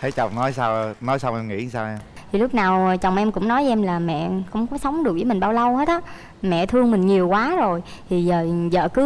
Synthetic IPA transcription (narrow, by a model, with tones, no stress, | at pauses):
t̪ʰe˧˨˩jt͡ɕa˨˩wŋ͡mnɔ˨˦jsaː˧wnɔ˨˦jsa˧wŋ͡mʔɛ˧mŋḭ˧˥˨saː˧ʔɛ˧m | t̪ʰi˨˩lʊ˦˥k͡p̚naː˨˩wt͡ɕɔ˨˩wŋ͡mʔɛ˧mkʊ̰˧˥ŋ͡mnɔ˨˦jɛ˧mlaː˨˩mɛ̰˧˨kʊ̰˧˥ŋ͡mkɔ˨˦sə˨˦wŋ͡mɗɨ˨˩k̚vəː˨˦mï˨˩ŋ̟ɓaː˧wlə˧whe˦˥t̚ʔaː˨˦˥ | mɛ̰˧˨t̪ʰɨ˧əŋmï˨˩ŋ̟ɲi˨˩əwkwaː˨˦zo˨˩jt̪ʰi˨˩zəː˨˩zə̰ː˧˨kɨ˨˦